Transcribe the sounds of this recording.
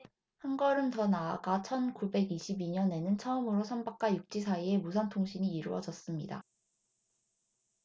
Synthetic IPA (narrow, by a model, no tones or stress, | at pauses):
hanɡʌɾɯntʌnaaɡat͡ɕʰʌnkube̞ɡiɕʰibiɲʌne̞nɯnt͡ɕʰʌɯmɯɾosʰʌmbak̚k͈ajuk̚t͡ɕ͈is̬ʰaie̞musʰantʰoŋɕʰiɲiːɾɯwʌd͡ʑʌs͈ɯmɲida̰